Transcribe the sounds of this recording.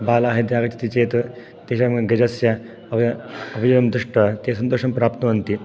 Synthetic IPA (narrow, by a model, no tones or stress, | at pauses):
baːlaːɦed̪jaːɡɐt͡ʃi̥t̪it͡ʃeːt̪ | t̪eʃɐmɡɐd͡ʒɐsja | ɐɐbijʋɐmd̪ɾuʂʈɐt̪eːsɐnt̪oːʂɐmpɾaːp̚t̪ɐʋɐnt̪i